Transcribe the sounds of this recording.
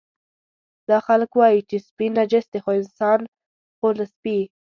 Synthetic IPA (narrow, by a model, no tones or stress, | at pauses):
d̪ɑxalkwɑjit͡ʃespinad͡ʒɪsd̪exoɪnsɑn | xolaspi